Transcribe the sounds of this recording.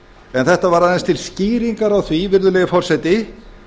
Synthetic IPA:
ɛnθɛht̪avaɾaðenst̪ʰɪlsciːɾiŋkaɾawθvivɪɾðʏlɛːɣɪfɔr̥sɛt̪ɪ

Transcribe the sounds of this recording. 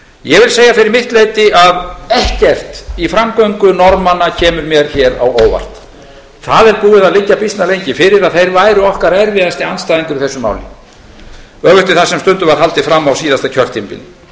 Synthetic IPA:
jɛvɪlseːjafɪɾɪɾmɪht̪lejt̪ɪaðɛhcɛr̥t̪ifɾamkœɥŋkʏnɔɾmanːacʰɛːmʏɾmjɛɾ̥çɛːɾa̰woːwva̰r̥t̪ | θaðɛɾpuːðɪðaðlɪcːapist̪nalejɲcɪfɪɾɪɾaðθejɾvaːjɾʏɔhkaɾɛɾvɪðast̪ianst̪ajðiŋkʏɾiθɛsːʏma̰ːwlɪ̰ | œːɣʏht̪ɪθasɛmst̪ʏnt̪ʏvaɾ̥ɦalt̪ɪfɾamːawsiːðast̪acʰœr̥t̪impɪ̰l

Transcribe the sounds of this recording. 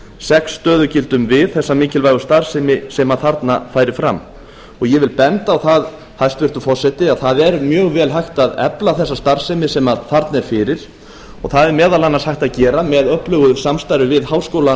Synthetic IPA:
sɛksːt̪œːðʏcɪlt̪ʏmvɪðθɛsːamiːcɪlvaːjɣʏst̪aɾ̥sɪmɪsɛmaθaɾt̪nafaːjɾɪfɾa̰mː | ɔɣjɛvɪlpɛnt̪aːwθað | hajst̪vɪɾ̥t̪ʏfɔr̥sːɛt̪ɪaθaðɛɾmjœːɣvɛːlɦajxt̪aðɛ̰plaθɛsːast̪aɾ̥sɛmɪsɛmaθaɾt̪nɛɾ̥fɪɾɪɾ̥ | ɔɣθaðɛɾmɛːðalanːashajxt̪aðcɛːɾamɛðœhplœɣʏsamst̪ajɾʏvɪðhawskoːwla

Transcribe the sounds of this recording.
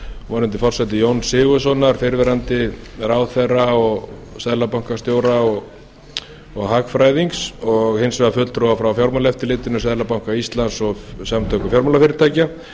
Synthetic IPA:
vɔnɪnt̪̬ɪfɔr̥sɛt̪ɪjownsɪːɣʏsɔnaɾ̥fɪɾvɛɾant̪ɪɾaːwθɛrːaɔɣ | saðlapawŋ̥kast̪joːwɾaɔɣ | ɔɣɦakfɾaːjðiŋksɔɣhɪnsvɛðafʏt̪lt̪ʰɾɔafɾawfjawɾmalɛft̪ɪlɪːt̪ɪnʏsaðlapawŋ̥kaist̪lansɔɣsamt̪ʰœhkʏfjawɾmalafɪːɾɪɾt̪ʰaːjca

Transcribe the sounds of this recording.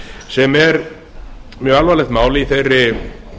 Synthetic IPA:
sɛmɛɾ | mjœːalvalɛɣt̪maːwlɪiθejrːɪ

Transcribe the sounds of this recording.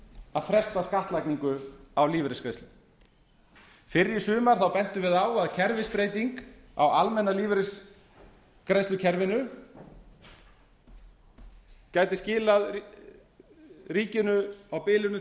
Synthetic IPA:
aðfɾɛst̪askaht̪lajkniŋkʏawliːvɾɪskɾejst̪ʏm | fɪɾːjɪsʏːmaɾ̥θawpɛn̥t̪ʏvɪðaːwaðcʰɛɾvɪspɾejt̪iŋka̰walmɛnaliːvɾɪs | kɾejst̪ʏcʰɛɾvɪnʏ | caːjt̪ɪscɪːlað | riːcɪnʏawpɪːlʏnʏ

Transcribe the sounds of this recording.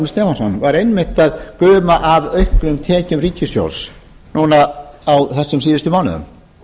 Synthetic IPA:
nst̪ɛːfansɔnvaɾejnmɪht̪aðkœːmaʔavœɥhklʏmt̪ʰɛːcʏmriːcɪsjo̰wls | nuːnaawθɛsːʏms̬iːðɪst̪ʏmawnʏ̰ðʏ̰m

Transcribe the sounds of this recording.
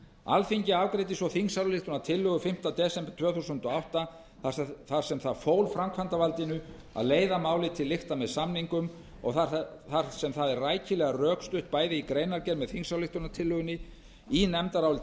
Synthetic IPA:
a̰lfiɲcɪaːwkɾejt̪̬ɪsvɔθiŋsawllɪht̪ʏnat̪ʰɪlːʏɣʏfɪm̥t̪at̪ɛːsɛmpt̪ʰvœːθusʏnt̪ɔawht̪a | θaθaɾ̥sɛmθaðfoːwlfɾamkʰvant̪avalt̪ɪnʏ | a̰ðleːjðamaːwlɪt̪ʰɪlːɪxt̪amɛðsamniŋkʏm | ɔ̰ɣθaθaɾsɛmθaðɛrraːjcɪlɛɣarœːkst̪ʏht̪̚paːjðɪikɾejnaɾcɛɾmɛðθiŋsawlɪht̪ʏnat̪ʰɪlːʏɣʏnɪ | inɛmt̪aɾawlɪ

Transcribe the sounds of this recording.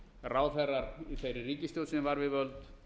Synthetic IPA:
raːwfɛɾaɾiθejɾɪriːcɪst̪jow̪sɛvaɾvɪvœlt̪

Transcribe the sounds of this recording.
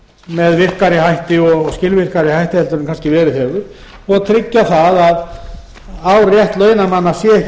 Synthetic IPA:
mɛðvɪr̥kaɾɪɦajht̪ɪɔɣscɪlvɪr̥kaɾɪhajht̪ɪhɛlt̪ʏɾʏmkanscɪvɛːɾʏθɛɣʏ | ɔɣt̪ʰɾɪcːaθaðað | awrjɛht̪lœːɥnamanːasjɛɛh

